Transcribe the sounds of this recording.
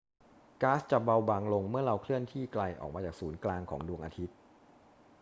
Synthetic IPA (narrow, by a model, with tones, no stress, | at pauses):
kaː˦˥st͡ɕa˨˩ba˧wba˧ŋlo˧ŋmɯ˥˩ɐɾa˧wkʰlɯ˥˩ənt̪ʰiː˥˩kla˧jʔɔ̰ː˨˩k̚maː˧t͡ɕaː˨˩k̚suː˩˦nklaː˧ŋkʰɔ̰ː˩˦ŋdu˧əŋʔa̰ː˧t̪ʰi˦˥t̪̚